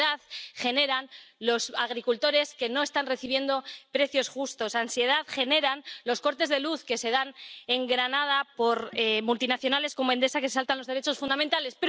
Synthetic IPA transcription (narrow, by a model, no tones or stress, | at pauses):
aðχe̞ne̞ɾanlo̞saɣ̞ɾikult̪o̞ɾe̞ske̞no̞est̪anre̞θiβje̞nd̪o̞pɾe̞θjo̞sxust̪o̞sansje̞ð̞aðχe̞ne̞ɾanlo̞sko̞ɾt̪e̞zðe̞luθke̞se̞ðane̞ŋɡɾanað̞apo̞ɾemult̪inaθjo̞nale̞sko̞moe̞nd̪e̞sakesesalt̪anlo̞zðɾe̞t͡ʃo̞sfund̪amẽnt̪ale̞speɾ